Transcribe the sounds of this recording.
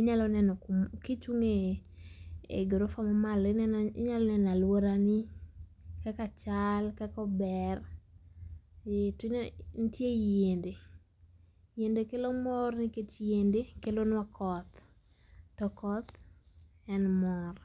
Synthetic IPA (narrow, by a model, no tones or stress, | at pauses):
ɪɲalɔnɛnɔkkit͡ʃuŋe | ɡɾofamamalɪnɛɪ̰ɲalɔnɛnalwoɾani | kakat͡ʃalkakɔbɛr | tɲnitjejende | jendekelomɔrnɪket͡ʃjendekelonwakɔt̪ | tɔkɔt̪ | ɛnmɔr